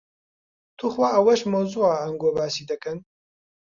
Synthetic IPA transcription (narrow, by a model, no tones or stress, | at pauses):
t̪ʰuxwaːʔɐwɐʃmɐwzuaːɐŋɡobaːsiːd̪ɐkɨn